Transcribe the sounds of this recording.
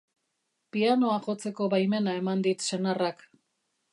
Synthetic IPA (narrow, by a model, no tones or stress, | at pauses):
piano̞aʝo̞t͡se̞ko̞βajme̞nae̞mand̪it̪se̞narak